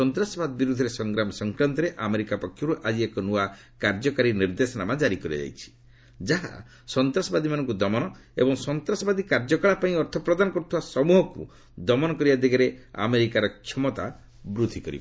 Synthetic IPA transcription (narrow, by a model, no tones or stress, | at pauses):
ɔnt̪ɾasɔbad̪ɔbiɾud̪ʱɔɾesɔŋɡɾamɔsɔŋkɾant̪ɔɾeʔameɾikapɔkʰːjɔɾuʔad͡ʒiekɔnua | kaɾd͡ʒɔkaɾiniɾd̪esɔnamad͡ʒaɾikɔɾiɔ̰d͡ʒa̰jt͡ʃʰi̥ | d͡ʒaɦa̰ | sɔnt̪ɾasɔbad̪imanɔŋkud̪ɔmɔnɔḛbɔŋsɔnt̪ɾɔsɔbad̪ikaɾd͡ʒɔkaɭapaĩɔɾt̪ʰɔpɾɔd̪anɔkɔɾut̪ʰibasɔmuɦɔkṵ | d̪ɔmɔnɔkɔɾibad̪eɡeɾea̰meɾikaɾɔkʰjɔmɔt̪a | bɾud̪ʱikɔɾḭba